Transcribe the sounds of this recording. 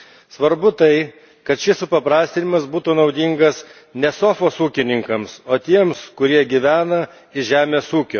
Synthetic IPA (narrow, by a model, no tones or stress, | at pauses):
sʋɐɾbʊt̪ɐɪ | kɐt̪ʃʲɪsʊpɐpɾɑːsʲt̪ʲɪnʲɪmɐsbuːt̪uːnɒʊd̪ʲiŋɡɐs | nʲɛsoːfoːsuːkʲɪnʲɪŋkɐmsoːt̪ʲiɛmskʊɾʲiɛɡʲiʋʲæːnɐ | ɪʒʲæːmʲeːsuːkʲoː